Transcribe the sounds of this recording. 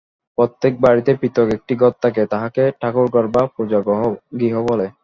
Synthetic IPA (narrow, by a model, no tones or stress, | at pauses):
pɾot̪ːek̚baɾit̪epit̪ɔkek̚ʈiɡɔt̪ːak̬et̪aɦakeʈʰakuɾkɔɾbapod͡ʑaɡɦɡiɦobɔle